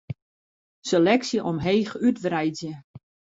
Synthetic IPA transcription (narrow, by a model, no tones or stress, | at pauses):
selɛksjəʔɔmɦeːxytʋrɛjzjə